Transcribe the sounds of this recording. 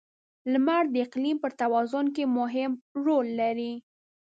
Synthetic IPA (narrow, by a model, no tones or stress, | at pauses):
lmaɾd̪əɪqlimpəɾt̪awɑzʊnk̬emʊɦɪmɾolːaɾi